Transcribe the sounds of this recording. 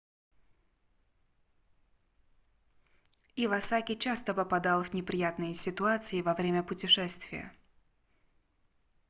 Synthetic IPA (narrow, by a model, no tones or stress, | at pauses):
ivɐsakʲɪt͡ɕast̪əpəpɐd̪alˠvnʲɪpɾʲɪjat̪nɨjəsʲɪt̪ʊat̪sɨɪvɐvɾʲemʲəpʊtʲɪʂɛst̪vʲɪ̰jə̰